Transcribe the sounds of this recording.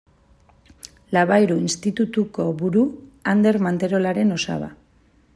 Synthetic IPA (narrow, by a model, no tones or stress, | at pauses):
laβajɾuinst̪it̪ut̪uko̞βuɾuand̪e̞ɾmant̪e̞ɾo̞laɾe̞no̞sa̰βa̰